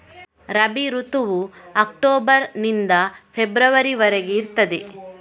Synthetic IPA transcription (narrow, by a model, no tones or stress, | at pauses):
ɾɐbiɾut̪uʋuɐk̚ʈoːbɐɾnind̪ɐpʰebɾɐʋɐɾiʋɐɾɛɡeiɾt̪ɐd̪e